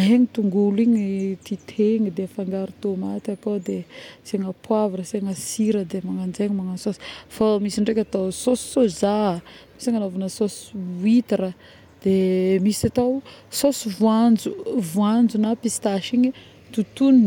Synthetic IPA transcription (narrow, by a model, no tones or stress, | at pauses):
ɦeɲit̪uŋɡuliɲit̪it̪ʰeɲid̪efaŋɡaɾut̪omat̪akod̪eseŋapwavaɾəseŋasiɾəd̪emaŋand͡ʒeɲimaŋasosi̥famisiɳɖ͡ʐekʲat̪awsosi̥sozamisaŋanovunəsosuit̪iɾə | d̪̥emisat̪awsosivuand͡ʒuvuand͡zunapist̪aʃiɲi | t̪ut̪unn